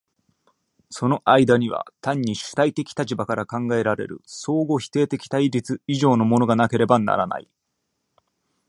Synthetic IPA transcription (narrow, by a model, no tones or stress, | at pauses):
so̞no̞ʔaid̪aɲ̟iβa̰t̪ãɲ̟ːiɕɨ̥t̪ait̪e̞kʲi̥t̪at͡ɕibakaɾakãŋɡae̞ɾaɾe̞̰ɾɯ̟̰so̞ːɡo̞çi̥t̪e̞ːt̪e̞kʲi̥t̪aiɾʲit͡sɨiʑo̞ːno̞mo̞no̞ɡanake̞ɾe̞bana̰ɾana̰ḭ